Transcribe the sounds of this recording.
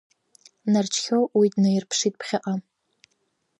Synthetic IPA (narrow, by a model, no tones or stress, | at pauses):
nɐrt͡ʃxowwijdnɐjɪrpʂiːt̚pχʲɪʔɐ